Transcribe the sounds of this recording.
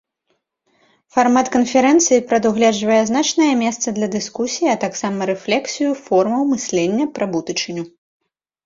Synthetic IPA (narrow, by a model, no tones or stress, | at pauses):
farmat̪kɐnfʲɛɾɛnt̪sɨjipɾɐd̪uɣlʲɛd͡ʐvɐjɛznat͡ʂnɐjɐmʲɛst̪sɐd̪lʲɐd̪ɨskusʲijiɐt̪aksamɐɾɛflʲɛksʲijufɔrmɐwmɨsʲlʲɛnʲːɐpɾɐbut̪ɨt͡ʂɨnʲu